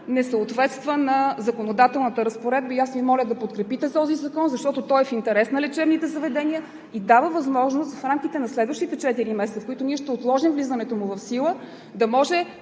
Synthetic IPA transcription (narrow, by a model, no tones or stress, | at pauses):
nɛsəot̪vɛt̪st̪vənɐzɐkonod̪at̪ɛlˠnət̪əɾəspoɾɛd̪̚bəiasvimɔlʲəd̪ɐpot̪̚kɾɛpit̪ɛt̪ɔzizɐkɔnzɐʃt̪ɔt̪ot̪ɔɛfint̪ɛɾɛsnɐlɛt͡ʃɛvnit̪ɛzɐvɛd̪ɛniə | id̪avəvɐzmɔʒnost̪fɾamkit̪ɛnɐslɛd̪vəʃt̪it̪ɛt͡ʃɛt̪iɾimɛsɛt̪səfkʊit̪ʊniɛʃt̪ɛot̪lˠɔʒimvlizənɛt̪omʊvɐfsilˠə | d̪ɐmɔʒɛ